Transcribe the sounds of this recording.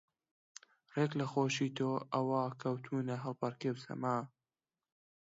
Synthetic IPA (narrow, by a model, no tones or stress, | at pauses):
reklɐxoːʃit̪ʰoːʔɐwaːkʰɐwt̪ʰuːnɐɦɐlˠpɐɾkebsɐ̰maː